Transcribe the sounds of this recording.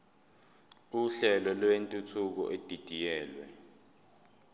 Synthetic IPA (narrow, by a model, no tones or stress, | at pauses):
uɬɛlɔlwentʼutʰuk̬ɔ̰ʔed̥ʱid̥ʱijɛːlwɛ̰